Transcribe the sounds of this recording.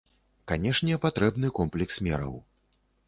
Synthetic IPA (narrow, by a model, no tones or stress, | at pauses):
kanʲɛʂnʲɛpat̪ɾɛbn̪ɨkɔmplʲɛksmʲɛɾɐ̰w